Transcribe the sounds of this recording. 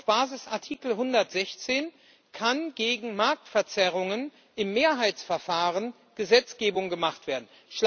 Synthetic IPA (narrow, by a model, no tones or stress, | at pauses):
fb̥aːzɪsʔaɐtʰiːkl̩ɦʊndɐtz̥ɛçt͡seːn | kʰanɡeːɡŋ̩maɐk̚tfɛɐt͡sɛʁ̞ʊŋən | ʔɪmːeːɐɦaɪt͡sfɛɐfaːʁən | ɡ̥əzɛt͡sɡ̥eːbʊŋɡəmaχtv̥eːɐdn̩ | ʃl